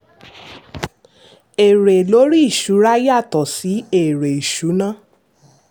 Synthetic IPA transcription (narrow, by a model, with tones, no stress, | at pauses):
e˨ɾe˨lo˨˦ɾi˦i˦˨ʃu˨˦ɾa˦ja˦˨tɔ˨si˨˦e˨ɾe˨i˨ʃu˨˦nã˦˨